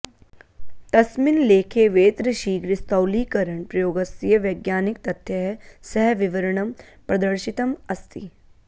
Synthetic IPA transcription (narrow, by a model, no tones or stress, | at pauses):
t̪ɐsmɪnleːkʰeʋeːt̪ɾəʃiːɡɾɪst̪ɐwliːkɐɾəɳpɾɐjoːɡɐsijəʋɐɡjaːnɪkt̪ɐt̪ʰjəɦɛsɛɦʋɪʋɐɾəɳ̃ɐm | pɾɐd̪ɐɾʃɪt̪ɐmɐst̪ḭ